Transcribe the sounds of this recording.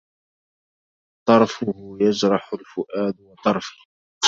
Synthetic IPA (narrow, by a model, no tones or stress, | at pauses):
t̪ˤɑɾˤfʊhʊjad͡ʒɾˤɑħʊlfʊʔaːd̪wɑt̪ˤɑɾˤfɪ̥h